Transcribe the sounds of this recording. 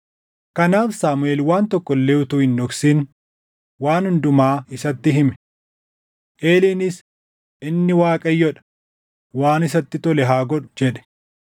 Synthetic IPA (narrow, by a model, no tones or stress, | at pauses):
kɐnaːfsaːmʊeːlwaːnt̪ɔkːɔlːeːʊt̪ʊhɪnːɔksiːn | waːnhʊnd̪ʊmaːɪsɐt̪ːɪɦɪmɛ̥ | ʔeːliːnɪs | ɪnːɪwaːkʼɐjːɔᶑɐ̥ | waːnɪs̬ɐt̪ːɪt̪ɔlɛɦaːɡɔᶑʊd͡ʒɛᶑɛ̥